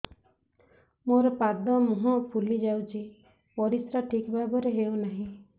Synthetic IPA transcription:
moɾɔpad̪ɔmuɦɔ̃pʰulid͡ʒawt͡ʃʰi | pɔɾisɾaʈʰikbʱabɔɾeɦeonaɦĩ

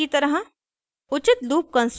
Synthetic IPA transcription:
it̪ɐɾɦa | ʊt͡ʃɪt̪luːp̚kɐ̃ns

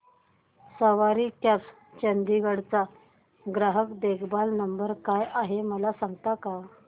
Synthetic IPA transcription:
səʋaɾiːkjat͡s | t͡ɕənd̪iɡəɽt͡sa | ɡɾaɦəkd̪eɡbalnəmbəɾkajaɦeməlasaŋɡt̪aka

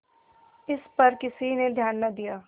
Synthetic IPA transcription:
ɪspɐɾkɪsined̪ʱjaːnːɐd̪ijaː

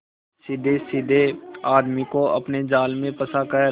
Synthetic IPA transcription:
sɪd̪ʱesɪd̪ʱeaːd̪mikoɐ̰pned͡ʒaːlmẽpɐsakə

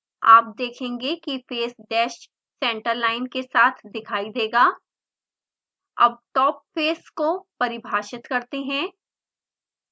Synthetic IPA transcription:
aːp̚d̪eːkʰẽːŋɡekifeːsɖɛːʃ | sɛ̃ːɳʈəɾlaːɪnkesaːt̪ʰd̪ɪkʰaːid̪eːɡaː | ɐ̰b̚ʈɔːp̚feːskopɐɾɪbʱaːʃɪt̪kɐɾt̪eɦɛ̃ː

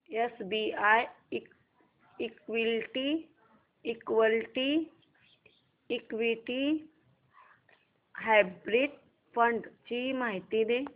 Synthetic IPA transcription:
esbiaj | ikʋilʈiː | kʋəlʈi | kʋiʈi | ɦajbɾiʈ̚ | pʰəɳɖt͡ʃimaːɦit̪id̪e

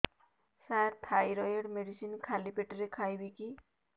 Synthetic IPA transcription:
saɾt̪ʰajɾɔjeɽmeɽisinkʰalipeʈɾekʰajbiki

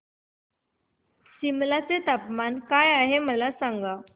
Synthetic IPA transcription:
ɕimlat͡set̪apmankajaɦeməlasaŋɡa

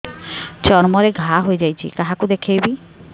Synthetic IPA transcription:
t͡ʃɔnmɔɾeɡʱaɦoed͡ʑajt͡ɕʰḭkaɦakud̪ekʰejbi

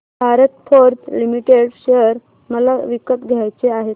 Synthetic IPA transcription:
bʱaɾət̪fʰoɾt̪limiʈeɽɕejəɾ | məlaʋikət̪ɡʱjajt͡seaɦe

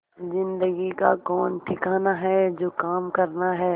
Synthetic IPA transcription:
zɪ̃nd̪əɡikakɔːnʈʰɪkaːnaɦɛd͡ʒoːkaːmkɐɾnaɦɛː

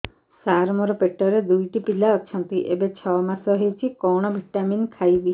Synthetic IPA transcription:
saɾmɔɾɔpeʈɔɾed̪ujʈipilaɔt͡ʃʰɔnt̪iʔebet͡ʃʰɔmasɔɦejt͡ʃʰikɔɽ̃ɔbʱiʈːaminkʰajbi

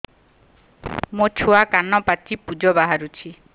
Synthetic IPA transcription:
mot͡ʃʰoakanɔpat͡ʃipud͡ʒɔbaɦaɾut͡ʃʰi

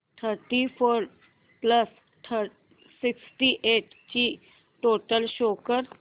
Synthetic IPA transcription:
tʰəɾʈifoɾ | pləs | ʈʰə | siksʈiʔeʈ | t͡ɕiː | ʈoʈəlɕokəɾ

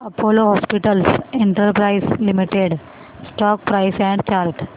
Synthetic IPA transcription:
ɐpoːloɦɔːspiʈəlsẽɳʈəɾpɾaɪslɪmiʈeɖ | sʈɔːk̚pɾaɪsɛ̃ɳɖt͡ʃaːlʈ

